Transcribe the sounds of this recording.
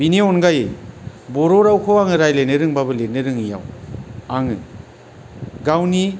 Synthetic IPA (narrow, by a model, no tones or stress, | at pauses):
bineɔnɡajej | bɔɾɔɾawkʰoaŋɯɾajlenɯɾɯŋbabɯlenɯɾɯŋija̰waŋɯ̰ | ɡawni